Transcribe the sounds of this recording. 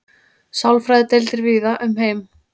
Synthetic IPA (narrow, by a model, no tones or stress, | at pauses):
sawlfɾajðɪt̪ejlt̪ɪɾviːðaʔʏmɦeːjm